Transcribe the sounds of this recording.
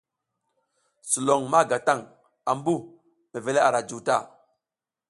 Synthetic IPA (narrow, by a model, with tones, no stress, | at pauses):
su˨lo˨ŋma˦˨ɡa˨ta˦˨ŋ | a˨mbu˦ | me˨ve˨le˦a˨ɾa˨d͡ʒu˨ta̰˦˨